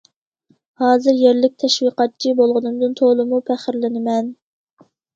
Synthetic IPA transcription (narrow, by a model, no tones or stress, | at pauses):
hɑːzɨɾjeɾlɪk̚ʲt̪ʰɛʃwiqɑt̪̚t͡ʃʰibolˠʁʊnɨmd̪ɨnt̪ʰolˠɨmupʰæχɪɾlɪnɪmɛn